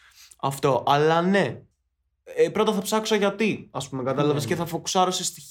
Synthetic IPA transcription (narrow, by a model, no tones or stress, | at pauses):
ɐft̪o̞ʔɐlɐne̞ | epɾot̪ɐθɐpsɐkso̞ʝɐt̪iɐspumekɐt̪ɐlɐvesceθɐfoku̥sɐɾo̞sest̪i